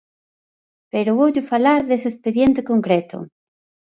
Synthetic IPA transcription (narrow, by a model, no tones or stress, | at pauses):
peɾoβoʎʊfalaɾðeseːspeðjent̪ekoŋkɾet̪o̰